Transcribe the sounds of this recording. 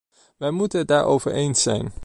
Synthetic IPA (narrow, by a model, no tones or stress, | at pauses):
ʋɛjmutənədaːɹowvə̰ɹejnsɛ̰jn